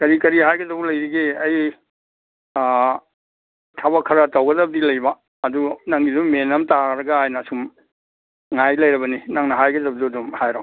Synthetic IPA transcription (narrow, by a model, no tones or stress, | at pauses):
kɐɾikɐɾiɦajɡɐdɐbulɐjɾiɡiɐj | tʰabɐkʰɐɾɐtawɡɐdɐbɐdilɐjbaː | dunɐŋɡizumenɐmtaɾɐɡaajnasum | ŋajlɐjɾɐbɐninɐŋnɐɦajɡɐdɐbɐduɐdumhajɾa